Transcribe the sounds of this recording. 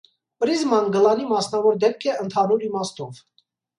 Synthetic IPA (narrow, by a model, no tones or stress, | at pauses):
pəɾizmɑnɡəlɑnimɑsnɑvɔɾd̪ɛp̚kʰɛənt̪ʰɑnuɾimɑst̪ɔv